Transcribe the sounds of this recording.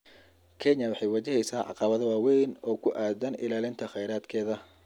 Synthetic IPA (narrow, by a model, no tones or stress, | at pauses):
kʰɛɲɐwɑħɑjwɑt͡ʃɪɦɛjsaːʕɑ̰qɑβɐðɐwaːwɛjnɔːkʰʊʔaːd̪ɐnɪ̰laːlɪnt̪ʰɐχɛjɾaːd̪kʰɛːðɐ